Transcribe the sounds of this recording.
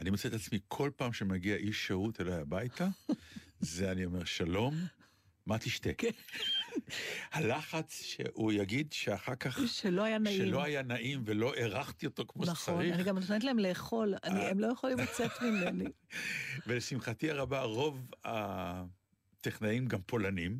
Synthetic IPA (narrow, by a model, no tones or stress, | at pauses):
animot͡set̪at͡smikʰo̞lpaːmʃemaɡiaʔiʃːeut̪veloajabajt̪a | zeanio̞me̞ʁʃalo̞mː | at̪iʃt̪e̞ | halaχat͡sʃḛʔujaɡid̪ʃeaχakaχʃelo̞ajanaʃielo̞ajanaʔimvelo̞ʔeʁaχt̪io̞t̪o̞kmoʃt͡saʁniniɡamtt̪ent̪̬laemleːχo̞la̰niemlo̞jeχolimlat͡set̪mimeni | velesimχat̪iaʁabaʁo̞va | t̪eχnajimɡampʰo̞lanim